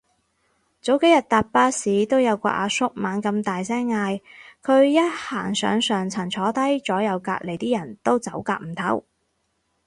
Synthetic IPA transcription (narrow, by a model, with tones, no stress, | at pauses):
t͡so˨˥wke˨˥jɐ˨t̚t̪aː˨t̚paː˥siː˨˥t̪o˥wjɐ˨˧wkʷɔ̰ː˧ʔa̰ː˨˧sʊ˥k̚maː˨˧nkɐ˧mt̪aː˨jsɛː˥ŋːaː˧jkʰɵ˨˧ɥjɐ˥t̚haː˨˩ŋsœ̰ː˨˧ŋsœː˨ŋt͡sʰɐ˨˩nt͡sʰɔː˨˥t̪ɐ˥jt͡sɔː˨˥jɐ˨˧wka̰ː˧k̚le˨˩jt̪iː˥jɐ˨˩nt̪o˥wt͡sɐ˨˥wkaː˧k̚m̩˨˩t̪ʰɐ˨˥w